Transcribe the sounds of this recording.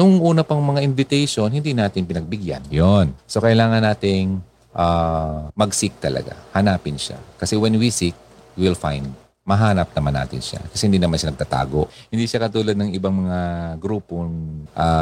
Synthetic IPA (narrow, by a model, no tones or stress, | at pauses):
nʊŋʔuːnɐpɐŋmɐŋaʔɪnvɪt̪ɛjʃo̞nhɪnd̪inaːt̪ɪŋpɪnɐɡ̚bɪɡja̰njonso̞kɐʔɪlaːŋɐnːaːt̪ɪŋ | ʔamɐɡsɪk̚t̪ɐlɐ̰ɡa̰hɐnaːpɪnʃa̰kɐsɛwɛnwisɪk̚wilfajnd̪ | mɐɦaːnɐp̚nɐmanːa̰ːt̪ɪ̰nʃa̰kɐsɛhɪnd̪inɐmanʃanɐɡ̚t̪at̪a̰ːɡo̞ʔhɪnd̪iʃakɐt̪uːlɐd̪̚nɐŋɪbaŋmɐŋaɡɾuːpoŋʔa